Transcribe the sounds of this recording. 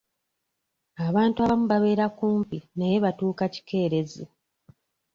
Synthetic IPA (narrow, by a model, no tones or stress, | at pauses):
aβaːntuaβamuβaβe̞ːɾakuːmpinaje̞βatuːkaci̥ke̞ːɾe̞zi